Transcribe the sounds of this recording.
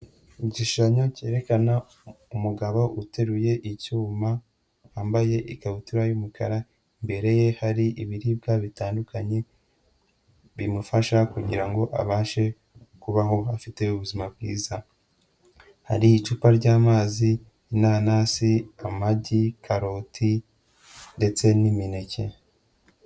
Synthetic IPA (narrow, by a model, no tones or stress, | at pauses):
iɟiʃaɲo̞ce̞ːɾe̞kana | umuɡaβo̞ʔute̞ɾuje̞ʔicuːma | aːmbaje̞ʔikaβutiɾajumukʰaɾa | imbe̞ɾe̞je̞haɾiʔiβiɾib̚ɡaβitaːndukaɲe̞ | βimufaʃakuɟiɾaŋɡo̞ʔa̰βaːʃe̞ | kuβaɦo̞afite̞uβuzimabɡiːza | ha̰ɾiːt͡ʃupaɾɟaːmaːziː | naːnaziamaɟikʰaɾo̞ːtʰi | nde̞t͡se̞nimine̞ce̞